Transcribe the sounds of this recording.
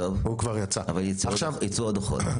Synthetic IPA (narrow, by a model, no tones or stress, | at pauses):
ovhukvaʁjat͡saavaljit͡saʃavit͡sood̪oχo̰t